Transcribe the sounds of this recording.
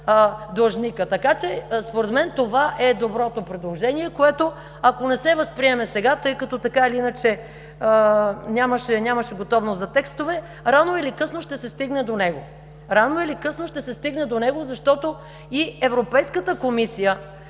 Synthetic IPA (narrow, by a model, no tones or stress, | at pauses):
d̪ɐlˠʒnikət̪ɐkat͡ʃɛspoɾɛd̪mɛnt̪ovaʔɛd̪obɾɔt̪opɾɛd̪lˠoʒɛniɛkoɛt̪o | ɐkonɛsɛvəspɾiɛmɛsɛɡat̪ɤjkɐt̪ɔt̪ɐkailiinət͡ʃɛ | nʲaməʃɛnʲaməʃɛɡot̪ɔvnoszɐt̪ɛkst̪ovɛ | ɾanoilikɤsnoʃt̪ɛsɛst̪iɡnɛd̪onɛɡo | ɾanoilikɤsnoʃt̪ɛsɛst̪iɡnɛd̪onɛɡozɐʃt̪ɔt̪o | iɛvɾopɛjskət̪əkomisijə